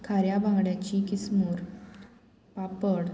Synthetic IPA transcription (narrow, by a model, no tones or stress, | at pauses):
kʰaɾjabʱãŋɡɽjat͡ɕikismuːɾ | papəɽ